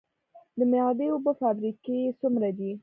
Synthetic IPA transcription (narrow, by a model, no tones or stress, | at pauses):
d̪əmɪjɑd̪əobəfɑbɾikesumɾad̪i